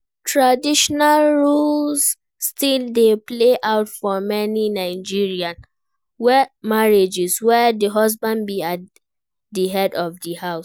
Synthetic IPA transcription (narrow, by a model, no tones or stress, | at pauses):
tʰɹadiʃɔnalɹulsː | tildepleʔaʊtfɔmɛninaɪd͡ʒiɹiãn | wɛmaɹed͡ʒɛswɛdəɦɔs̬bãnbia | dəɦɛdɔvdəhaʊs